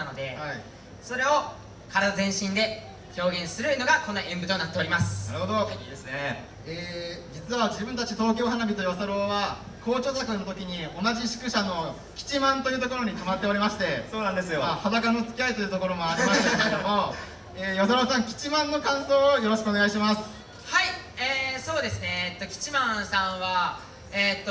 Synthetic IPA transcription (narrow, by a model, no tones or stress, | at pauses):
nod̪e̞hai | so̞ɾe̞o̞ | kaɾad̪azẽ̞ɰ̃ɕĩnd̪e̞ | ço̞ːɡẽ̞ɰ̃sɨɾɯ̟no̞ɡakõ̞nːaẽmbɯ̟t̪o̞nat̪ːeoɾimasɨ̥aɾɯ̟ho̞d̪o̞se | eːd͡ʑit͡sɨβad͡ʑibɯ̃nt̪at͡ɕit̪o̞ːkʲo̞ːɦanabʲit̪o̞josaɾo̞ːβa | kʰo̞ːt͡ɕo̞ːzakɯno̞t̪o̞kʲiɲ̟io̞naʑiɕi̥kɯ̟ɕano̞ | kʲi̥t͡ɕimãnt̪o̞jiɯ̟t̪oko̞ɾo̞ɲ̟ik̪amat̪ːe̞oɾʲimaɕi̥t̪e̞soːnãnd̪e̞sɨjoahad̪akanot͡skʲiait̪o̞jɯ̟t̪o̞ko̞ɾo̞mo̞aɾʲimast̪eekeked̪omo | eːjosaɾo̞ːsãŋkʲi̥t͡ɕimãnːo̞kãɰ̃so̞ːjo̞ɾo̞ɕi̥kɯoneɡaiɕ̬imasɨ̥ | hai | eːso̞ːd̪e̞sɨne̞t̪ːo̞kʲi̥t͡ɕimãsãɰ̃βa | et̪ːo